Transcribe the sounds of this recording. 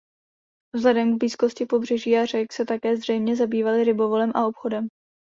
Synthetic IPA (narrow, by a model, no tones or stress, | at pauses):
vzlɛdɛmɡbliːsko̞scɪpo̞br̝ɛʒiːar̝ɛksɛt̪akɛːzr̝ɛjmɲɛzabiːvalɪɾɪbo̞vo̞lɛmʔaopxo̞dɛm